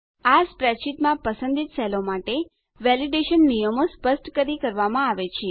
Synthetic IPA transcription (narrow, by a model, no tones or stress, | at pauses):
aspɾɛt͡ʃit̪mãpəsə̃nd̪ʱit̪sɛlomaʈe | ʋɛliɖeʃənːijəmospəsʈkəɾikəɾʋamãaʋet͡ʃʰe